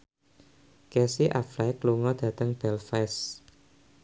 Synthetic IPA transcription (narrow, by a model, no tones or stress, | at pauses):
kɛsiʔaflajkluŋɔd̪̥ä̤t̪əŋb̥ɛlfɛs